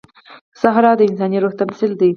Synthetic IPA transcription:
saɦɾɑd̪əɪnsɑniɾoxt̪amsɪld̪i

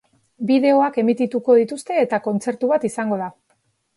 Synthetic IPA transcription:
biðe̞o̞ake̞mit̪it̪uko̞ð̞it̪ust̪e̞ːt̪ako̞nt͡se̞ɾt̪uβ̞at̪isaŋɡo̞ð̞a

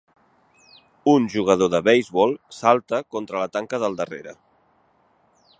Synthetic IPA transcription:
unʒuɣ̞əð̞oðəβɛjzβɔlˠsalˠt̪əkont̪ɾələt̪aŋkəðəlˠd̪ərḛɾə̰

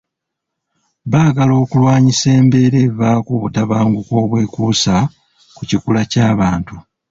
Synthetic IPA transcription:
βaːɡalo̞ːkulwaːɲise̞ːmbe̞ɾeβaːkuβutaβaːŋɡukwo̞ːβwe̞ːkusa | kucikulacaːβaːntu

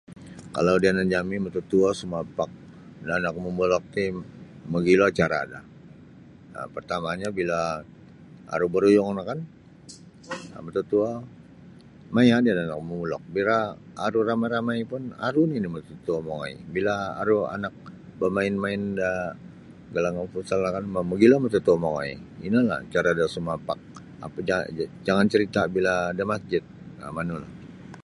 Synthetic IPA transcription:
ka̰lawdianad͡ʒamimət̪ut̪uɔsumapak̚ | daːnak̚mumulɔk̚t̪i | məɡiloat͡ʃaɾada̰ | ə̰pərt̪amaɲabila | a̰ɾubəɾujɔŋnakan | mət̪ut̪ua | majadiadaanakmumulɔ̰k̚biɾaː | ɾuramajɾamajpʊna̰ɾuninimət̪ut̪uamoŋa̰ḭbila̰ːɾua̰nak̚bəmaɪnmaɪnda | ɡalaŋanfusalakanmaməɡilamət̪ut̪uamoŋa̰ḭinala̰t͡ʃaɾadasumapak̚ | a̰paa̰d͡ʒaŋant͡ʃəɾit̪abiladamasd͡ʒɪt̪̚a̰manula̰

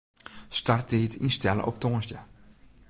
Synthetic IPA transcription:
start̚ɪːtḭnstɛlə̰ʔɔ̰p̚toŋnsjə

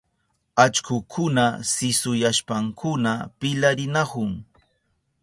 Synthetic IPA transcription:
at͡ʃkʊkʰʊnasɪsʊjaʃpaŋkʰʊnapɪlaɾɪnahʊŋ

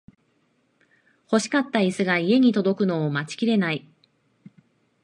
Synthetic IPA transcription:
ho̞ɕi̥kat̪ːaisɨɡaie̞ɲ̟it̪o̞d̪o̞kɯ̟no̞ːmat͡ɕi̥kʲiɾe̞nai

